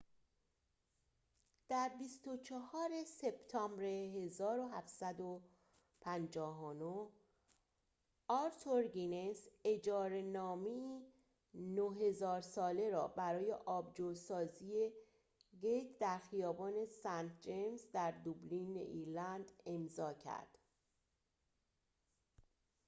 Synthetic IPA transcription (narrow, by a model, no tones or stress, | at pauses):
d̪̥æɾbist̪o̞t͡ʃʰɒhɒːɾe̞se̞b̥t̪ʰɒmbɾeɦe̞zɒːɾoɦæfsæd̪o | pʰænd͡ʒɒːɦonoh | ɒɾt̪ʰoɾɡinese̞d͡ʒɒːɾe̞nɒːmei | noɦe̞zɒːɾsɒːle̞ɾɒːbæɾɒːje̞ʔɒːbd͡ʒosɒːziːe̞ | ɡejt̪ʰd̪æɾxijɒːbɒːne̞sænt̪̚ʰd͡ʒe̞mzd̪æɾd̪ublinḛʔiɾlænd̪e̞mzɒːcʰæ̰ɾd̪̥